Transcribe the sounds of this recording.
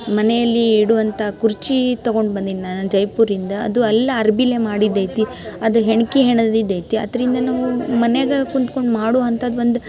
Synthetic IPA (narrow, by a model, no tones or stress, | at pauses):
mɐnejɐlːiːɽuʋɐnt̪ʰɐkuɾt͡ʃit̪ɐɡo̞ɳɖbɐnd̪inːand͡ʒɐjpuːɾind̪ɐɐ̰d̪uɐlːɐːɾbilemaːɽid̪ːɐjt̪i | ɐd̪uɦeɳkiɦeɳd̪id̪ːɐjt̪iɐ̰d̪ɐɾind̪ɐnaːʋumɐneɡɐkunt̪ko̞ɳɖmaːɽoːɐnt̪ʰɐd̪ʋo̞nd̪u